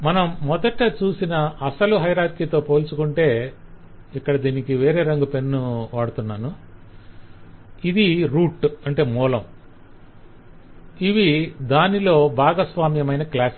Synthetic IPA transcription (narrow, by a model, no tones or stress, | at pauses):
mɐnɐmːɔd̪ɐʈɐt͡ʃuːsinɐɐsɐluɦɐjɾaːɾkiːt̪o̞ːpo̞ːlt͡ʃukuɳʈe̞ː | ikːɐɽɐd̪iːnikiʋe̞ːɾe̞ːɾɐŋɡupe̞nːuʋaːɽut̪unːaːnu | id̪iɾuːʈɐɳʈe̞ːmɔːlɐm | iʋid̪aːnilo̞ːbʱaːɡɐsʋaːmjɐmɐjnɐklaːs